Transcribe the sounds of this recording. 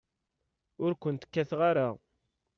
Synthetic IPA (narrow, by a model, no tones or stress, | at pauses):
ʊɾkʷənt̪ə̥kːæθʁaɾa